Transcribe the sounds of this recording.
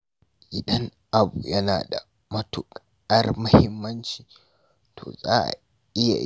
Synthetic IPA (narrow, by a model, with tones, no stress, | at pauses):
ʔɪ˨ɗɐ˦ŋ | ʔa˨buː˨jɐ˦naː˨da̰˨ | mɐ˦tʊ˨k | ɐ˦rmɐ˦hɪ˦mːɐ˦nt͡ʃiː˨ | tʰo̰ː˨zaː˦ʔa̰˨ | ʔɪ˦ja̰˨